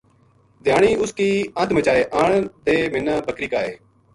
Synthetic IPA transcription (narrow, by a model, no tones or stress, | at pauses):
d̪ʱɪjaːɳiːʊskiːãːt̪ʰmət͡ʃaːeːʔaːɳd̪eːmɪnːaːbəkɾiːkaːeː